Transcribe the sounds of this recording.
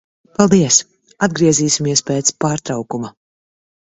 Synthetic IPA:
palˠd̪iɛs | ad̪ɡɾiɛziːsimiɛspɛːt̪spaːɾt̪ɾawkuma

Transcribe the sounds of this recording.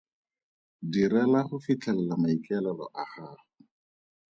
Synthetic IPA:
diɾɛlaχʊfit͡ɬʰɛlɛlamaikɛlalɔ̰ʔaχaːrʊ

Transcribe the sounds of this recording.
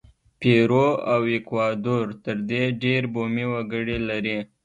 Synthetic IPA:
peɾoawekwɑd̪oɾt̪əɾd̪eɖeɾbomiwəɡəɽilaɾi

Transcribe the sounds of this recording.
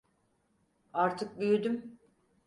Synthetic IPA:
aɾt̪ʰɯk̚byjyd̪ym

